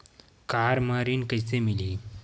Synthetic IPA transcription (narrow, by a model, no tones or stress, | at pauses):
kaɾmaɾiːnkəjsemiliː